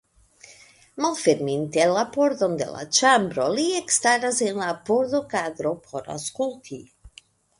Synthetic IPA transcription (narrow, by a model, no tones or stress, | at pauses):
malfeɾmint̪elapoɾd̪ond̪ḛla̰t͡ʃambɾoliekst̪aɾazenlapoɾd̪okad̪ɾopʰoɾa̰skult̪ʰi